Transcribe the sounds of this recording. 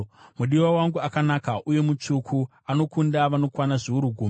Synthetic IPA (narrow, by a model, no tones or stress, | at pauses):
muɗiwawaŋɡuakanakaʔuje̞mut͡ʂukʰu | ano̞kundaʋano̞kwanaʐiuɾuɡʱuːm